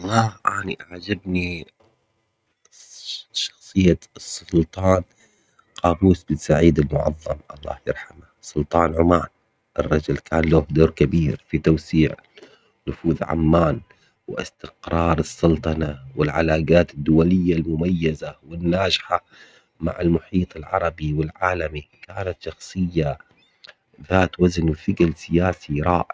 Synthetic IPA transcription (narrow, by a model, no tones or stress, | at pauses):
laʔaniʔʕad͡ʒabni | ʃɑ̥xsˤɨjːasˤːʊlt̪ˤɑːn | qɑːbuːsbɪsaʕiːd̪ɪlmʊʕɑ̰ðˤːɑmʔɑlˤːɑ̰ːhjɪ̰ɾˤħamasˤʊlt̪ˤɑːnʕʊmaːn | ʔɪrˤːɑd͡ʒʊlkʰaːnloːhd̪oːɾkabiːɾfit̪awsiːʕ | nʊfuːðʕa̰mːaːn | wɪɪ̰st̪ɪqɾˤɑːɾˤɨsˤːʊlt̪ˤɑnawɪlʕa̰laːɡaːt̪ɪd̪ːʊwalɪjːalmʊmajːazawɪnːaːd͡ʒħa | ma̰ʕɪlmʊħiːt̪ˤɪlʕɑ̰ɾˤɑbiwɪlʕaːlamikaːnat̪ʃɑxsˤɨjːa | ðaːt̪waznwfɪɡalsɪjaːsiɾˤɑːʔɪ